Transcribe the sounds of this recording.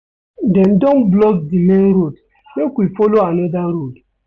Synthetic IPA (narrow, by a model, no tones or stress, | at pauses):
dɛ̃ndɔ̃nblɔkdimẽnɾod | mekwifɔloanɔdaɾod